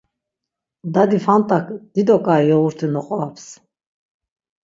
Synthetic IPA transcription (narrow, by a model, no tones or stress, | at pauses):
d̪ad̪ifant̪ʼakd̪̥id̪ɔkʼaiɔuɾt̪ʰunɔχʼɔapʰs